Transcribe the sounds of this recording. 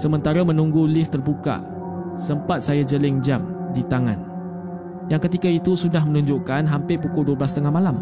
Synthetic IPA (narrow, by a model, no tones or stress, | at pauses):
səmə̃nt̪aɾamə̃nũŋɡulɪft̪ərbuka̰ | səmpat̪̚sajad͡ʒəlɪŋd͡ʒamdit̪aŋã̰n | jaŋkət̪ikait̪usudahmənũɲd͡ʒoʔkanɦampɪpukʊlduəblast̪əŋahmalam